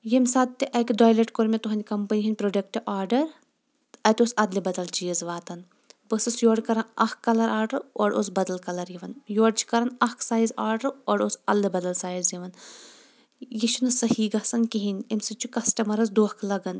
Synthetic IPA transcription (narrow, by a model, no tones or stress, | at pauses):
jimsaːd̪t̪ːiʔɐkʲid̪oːjleʈkoɾmʲet̪uɦɐnʲkɐmpɐnʲiɦinʲpɾoɖɐk̚ʈiʔaːɾɖɐɾ | ɐt̪ʲosɐd̪libɐd̪ɐlt͡ʃijɐzʋaːt̪ɐn | bəsɐsjoːɖkɐɾɐnɐhkːɐlɐɾaːɾɖɐɾoːɖosbɐd̪ɐlkɐlɐɾjiʋɐnjoːɖt͡ʃʰi̥kɐɾɐnɐhksaːjzaːɾɖɐɾoːɾosɐd̪libɐd̪ɐlsaːjzjiʋɐn | jiʃʰunɨsɐhiːɡɐsɐnkiɦinʲemsit͡ʃʰukɐsʈɐmɐɾɐzd̪oːhkʰlɐɡɐn